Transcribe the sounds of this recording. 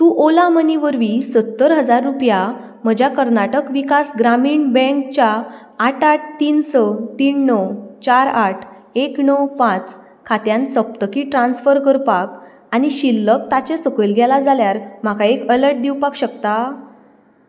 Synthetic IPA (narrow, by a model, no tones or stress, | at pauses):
t̪uʔolaməniʋəɾʋisət̪ːəɾɦəd͡zaɾːupja | m̤əd͡ʑjakəɾnaʈəkʋikasɡɾamiːɳbɛ̃ŋk̚t͡ɕaː | ʈaʈ̚t̪iːnsət̪iːnːəwt͡ɕaɾaʈʰ | eknəwpãt͡s | kʰat̪jãnsəp̚t̪əkiːʈɾãnsfəɾkəɾpak | añiɕilːək̚t̪at͡ɕesəkəjlɡʱɛlad͡zaljaɾm̤akʰaekələɾʈ̚d̪iwpakɕəkt̪a